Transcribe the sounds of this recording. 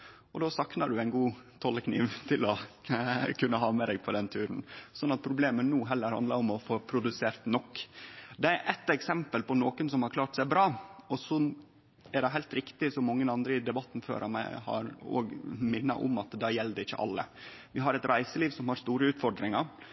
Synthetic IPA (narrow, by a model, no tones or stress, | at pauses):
ɔd̪oːsɑknɑɖʉæɪnɡuːt̪ʰɔləknḭːʋt̪ʰɪlɔ | kʰʉnːəɦɑːmɛd̪ɛːɡ̚pʰɔd̪ɛnt̪ʰʉːɾnsɔnːɑt̪̚pʰɾʊbleːmənuːɦɛlːəɾhɑ̰nd̪lɑɾɔmɔfoːpʰɾʊd̪ʉseːɾt̪nɔkːd̪ɛæɾʔɛt̪ːɛksɛmpəlpɔnoːkənsɔmhɑɾkʰlɑːʈsæɪbɾɑːɔsɔ | æɖɛɦæɪlt̪ɾɪkt̪ɪsɔmːɔŋːənɑnd̪ɾəɪd̪ɛbɑt̪ːn̩fø̰ːɾʔɑmæ̰ɪhɑ̰ɾo̰ːɡmɪnːɑ̰ʔʊ̰mɑt̪d̪ɑjɛlːd̪ɛɪçːə̰ʔɑ̰lːə̰ | ʋɪɦɑɾɛt̪ɾæɪsəliːʋsɔmhɑɾst̪uːɾəʉːt̪fɔɖɾɪŋɑɾ